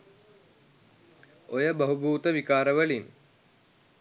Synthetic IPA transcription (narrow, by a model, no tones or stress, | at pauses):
ojəbəɦubuːt̪əʋikaːɾəʋəlin